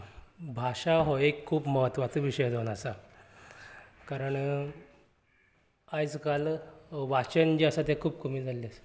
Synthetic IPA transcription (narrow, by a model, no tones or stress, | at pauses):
bʱaʂaɦoekʰːuːbməɦət̪ʋat̪uʋiɕəjd̪ʱonasa | kaɾəɳ | ajd͡zkalʋat͡ɕənd͡ʑiasat̪ekʰuːb̚kəmiːld͡zʱalːes